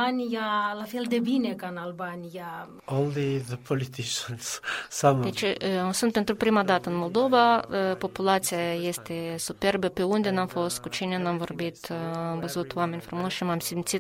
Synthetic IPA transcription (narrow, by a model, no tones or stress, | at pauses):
anʲijalafeld̪ebinekaɨnalbanʲija | õnliðəpʰɔlit̪ʰiʃə̃nssãmd̪et͡ʃesunt̪̚pent̪ɾupɾimad̪at̪əɨnmolˠd̪ovapopulat̪sijajest̪esuperbəpeund̪enamfost̪kut͡ʃinanamvorbit̪amvəzut̪wamenʲfɾumosʃimamsimt̪sit̪